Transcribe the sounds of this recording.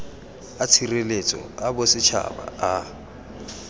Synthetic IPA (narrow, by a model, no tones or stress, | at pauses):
at͡sʰirelet͡sʼɔ̰abʊsɪt͡ʃʰa̰ba̰a